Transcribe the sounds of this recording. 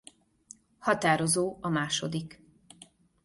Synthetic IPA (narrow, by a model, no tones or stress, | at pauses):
hɒt̪aːɾo̞zoːɒmaːʃo̞d̪ik